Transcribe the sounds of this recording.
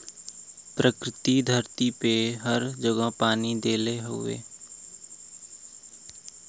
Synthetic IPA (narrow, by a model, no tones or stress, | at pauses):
pɾəkɾɪt̪id̪ʱəɾt̪ipeɦəɾd͡ʒəɡəpaːnid̪eːleɦo̰ḛː